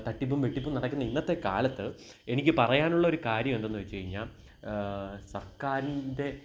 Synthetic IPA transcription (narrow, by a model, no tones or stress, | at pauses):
t̪ɐʈːipːumʋeʈːipːumnɐɽɐkːunːɐinːɐt̪ːe̞ka̰ːlɐt̪ːɨ | e̞nikʲːɨpɐrɐjaːnuɭːɐo̞ɾukaːɾjɐme̞nd̪enːɨʋɐt͡ɕːut͡ɕɐjiɲːaːl | sɐrkaːɾinde̞